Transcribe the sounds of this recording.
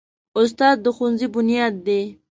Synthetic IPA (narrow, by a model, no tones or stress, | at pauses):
ʊs̬t̪ɑːd̪̚ːəxunzibʊnijɑːd̪̚ːe